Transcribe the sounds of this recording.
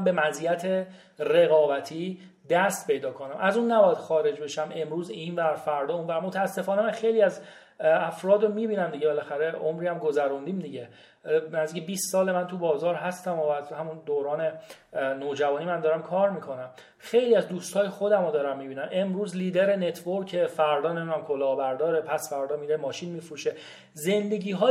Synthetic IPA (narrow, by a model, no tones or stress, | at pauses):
be̞mæzijæt̪ʰe | reɣɒːbæt̪ʰiː | d̪æst̪pʰe̞jd̪ɒːkʰonæmʔæzunːæbɒːjæd̪̥xɒːɾe̞d͡ʒbe̞ʃæme̞mɾuːzinvæɾfæɾd̪ɒunvæɾmot̪ʰæːsːefɒːnemænxejliæz | æfɾɒːd̪ɾomiːbiːnæmd̪iɟebe̞læxæɾeomɾiːæmɡo̞zæɾund̪iːmd̪iɟe | næzd̪iːcʰebiːsːɒːlemænt̪ʰubɒːzɒːɾɦæst̪æmovæzhæmund̪oɾɒːne̞noːd͡ʒævɒːnimænd̪ɒːɾæmkʰɒːɾmiːkʰo̞næm | xe̞jliːæzd̪uːst̪hɒːjexo̞d̪æmod̪ɒːɾæmːibiːnæmʔe̞mɾuːzliːd̪eɾe̞ne̞t̪ʰvoɾkʰːefæɾd̪ɒːnemid̪unæmkʰolɒːbæɾd̪ɒːɾepʰæsfæɾd̪ɒːmiːɾemɒːʃinmiːfɾuːʃe̞ | ze̞nd̪e̞ɟiːɦɒː